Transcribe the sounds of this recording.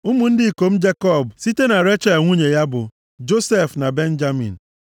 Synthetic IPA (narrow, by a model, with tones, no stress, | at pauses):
ʊ˦mu˨n̩˦dɪ˦i˨ko˨m̩˦d͡ʒe˦kɔ˦˨bsi˦te˦na˨ɾe˦t͡ʃa˦˨ŋʷu˦ɲe˨ja˦bʊ˨ | d͡ʒo˦se˦˨fna˨be˦n̩˦d͡ʒa˦mḭ̃˨n̩˨